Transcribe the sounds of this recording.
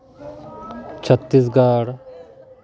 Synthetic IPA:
t͡ʃʰət̪ːisɡaːɽ

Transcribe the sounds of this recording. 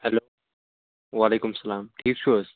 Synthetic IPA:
hɛloː | ʋaːleːkʊmɐsɐlaːmʈʰiːkʃoːs

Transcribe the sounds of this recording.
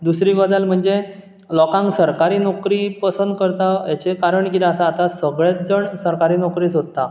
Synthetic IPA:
d̪usɾiːʋɔd͡zalm̤əɳd͡ze | lɔkãŋɡsəɾkaɾiːnɔkɾipəsənd̪̚kəɾt̪ajat͡ɕekaɾəɳkit̪asaːt̪asəɡɭjatd͡zəɳsəɾkaɾiːnɔkɾiːsod̪̚t̪ːa

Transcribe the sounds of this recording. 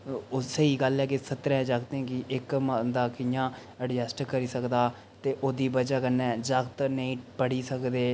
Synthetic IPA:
ʊsəiːɡəlɦɛːkɪsət̪ɾɛ̃ːd͡ʒakt̪ɛ̃ːkɪʔɪkməd̪aːkɪjãː | əɖjɛsʈkəɾiːsəkd̪aː | t̪eːʔoːd̪iːbəd͡ʒaːkənːɛ̃ːd͡ʒəkt̪nəĩːpəɽiːsəkd̪eː

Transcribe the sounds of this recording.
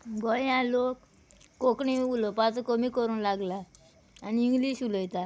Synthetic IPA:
ɡɔjjãlokː | okɳiulɔpat͡səkomikəɾũːnlaɡla | aniiŋɡliːɕuləjt̪a

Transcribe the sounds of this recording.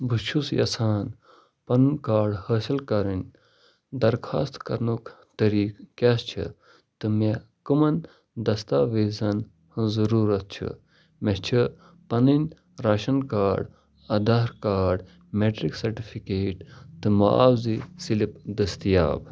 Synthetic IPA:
buʃʰusjɐ̰saːn | pɐnnkaːɖhəːsilkɐɾinʲ | d̪ɐɾkʰaːst̪kɐɾnuk | t̪ɐɾiːkkʲast͡ʃʰḭ | t̪ɨme | kɨmɐn | d̪ɐst̪aːʋeːzɐn | hzɐɾuːɾɐt̪̚t͡ʃʰṵ | met͡ʃʰi | pɐninʲ | ɾaːʃɐnkaːɖ | ɐd̪aːɾkaːɖ | meːʈɾiksɐɾʈipʰikeːʈt̪ɨmaa̰ːwzisilipd̪ɐst̪ija̰ːb

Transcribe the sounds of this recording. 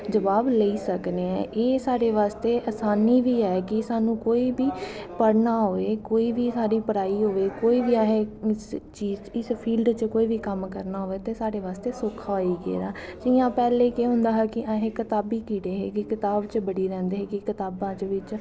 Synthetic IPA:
d͡ʒəʋaːbləiːsəkneːɛ̰̃ːʔeːsaːɽeːʋaːst̪eːʔəsaːniːʋiːɦɛːkɪsaːnũːkoːiːbiːpəɽnaːɦoːeːkoːiːʋiːsaːɾiːpəɽaːiːɦoːeːkoːiːʋiːaɦẽːɪst͡ʃiːzt͡ʃɪspʰiːlɖt͡ʃkoːiːʋiːkəmkəɾnaːɦoːeːt̪eːsaːɽeːʋaːst̪eːsʊkʰaːiːɡḛːɾaːd͡ʒĩːãːpɛːleːkeːɦʊ̃nd̪aːɦɛːkɪʔaːɦẽːkɪt̪aːbiːkiːɽeːɦeːkɪkɪt̪aːbt͡ʃbəɽiːɾɛ̃ːnd̪eːɦeːkɪkɪt̪aːbãːt͡ʃʋɪt͡ʃ

